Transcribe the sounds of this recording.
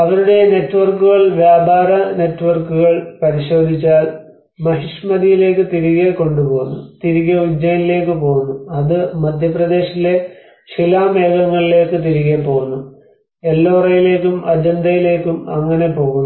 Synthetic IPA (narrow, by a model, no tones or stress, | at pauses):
ɐʋɐɾuɽe̞ne̞tːʋɐrkːuɣɐɭʋjaːbaːɾɐne̞tːʋɐrkuɣɐɭpɐɾiɕo̞ːd̪ʱit͡ɕːaːl | mɐɦiʂmɐðijile̞ːkːɨt̪iɾiɣeko̞ɳɖupo̞ːɣunːut̪iɾiɣɐud͡ʑːɐjnile̞ːkːɨpo̞ːɣunːuɐðɨmɐd̪ʱjɐprɐd̪e̞ːɕɐile̞ | silaːme̞ːɡɐŋːɐɭile̞ːkːɨt̪̬iɾiɣepo̞ːɣunːu | elːoːrɐjile̞ːkːumɐd͡ʑɐnd̪ɐjile̞ːkːumɐŋːɐne̞po̞ːɣunː